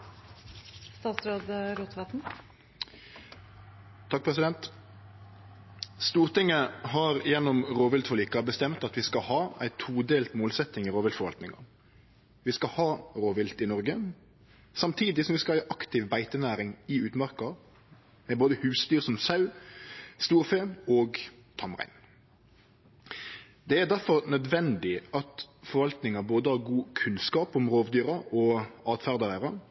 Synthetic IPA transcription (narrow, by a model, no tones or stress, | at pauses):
st̪ɑːt̪sɾoːd̪əɾuːt̪ʋɑt̪n̩ | t̪ʰːɑk̚pʰʁɛsɪd̪ɛnt̪ | st̪uːʁt̪ɪŋːəhɑʁjɛnːɔmʁoːʋɪlt̪fɔliːkɑbəst̪ɛmt̪ɑt̪ʋɪskɑhɑːæ̰ɪt̪ʰuːd̪eːlt̪moːlsɛt̪ɪŋɪʁoːʋɪlt̪fɔɾʋɑ̰lt̪nɪŋɑ̰ | ʋɪskɑhɑːʁoːʋɪlt̪ɪnɔʁɡə | sɑmt̪ʰiːd̪ɪsɔmʋɪskɑiːʔɑkt̪ɪʋbæɪt̪ənæːɾɪŋɪʉːt̪mɑʁkɑ | mɛboːd̪əhʉːsd̪yːʁsɔmsɑʉ | st̪uːɾfeːoːɡ | t̪ʰɑmʁæ̰ɪn | d̪ɛæd̪æɾfɔʁnœd̪ʋɛnd̪ɪɑt̪fɔɾʋɑlt̪nɪŋɑboːd̪əhɑːʁɡuːkʰʉnskɑːpɔmʁoːʋd̪yːɾɑɔɑːt̪fæʁd̪ɑæʁɑ